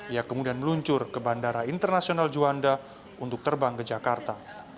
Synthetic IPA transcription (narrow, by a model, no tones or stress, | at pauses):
ijakəmudianməluɲt͡ʃʊrkəbandaɾaint̪ərnasionald͡ʒuanda | unt̪ʊk̚t̪ərbaŋkəd͡ʒakart̪a